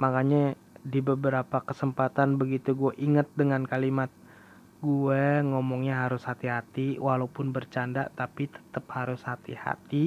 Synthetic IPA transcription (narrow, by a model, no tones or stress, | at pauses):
makaɲa | dibəbəɾapakəsəmpat̪anbəɡit̪uɡuɛʔiŋət̪̚dəŋankalimat̪̚ | ɡuɛŋɔmɔŋɲaɦaɾʊshat̪iɦat̪iwahlaupʊnbərt͡ʃanda̰ʔt̪apit̪ə̥t̪əp̚haɾʊshat̪ḭha̰t̪i